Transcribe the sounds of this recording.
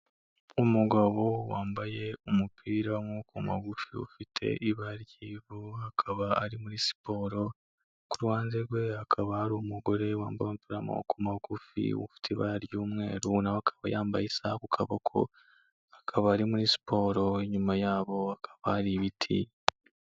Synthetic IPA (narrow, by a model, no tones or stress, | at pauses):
omuɡaβowaːmbaje̞omupʰiːɾamokuma̰ɡufiṵfitʰe̞̰ʔiβaɾjiːβoakʰaβaːɾimuɾisi̥po̞ːɾo̞ | kuɾhaːnzeɾɡwe̞akʰaβahaɾumuɡo̞ɾe̞waːmbajomupiːɾamo̰kumaɡufḭwṵfi̥tʰeβaɾjuːmŋe̞̰ːɾunawakʰḁβajaːmbajisakukʰaβokʰo̰ | akʰaβaːɾimuɾisi̥pʰo̞ːɾo̞eɲumajaːβo̞akʰḁβahaɾiβitʰḭ